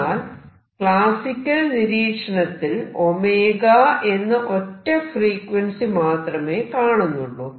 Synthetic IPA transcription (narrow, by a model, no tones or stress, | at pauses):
aːl | kɭaːsikʲːɐlniɾiːkʂɐɳɐt̪ːilo̞meːɣae̞nːɐʔo̞tːɐfriːkwɐnsimaːt̪rɐme̞ːkaːɳunːuɭːu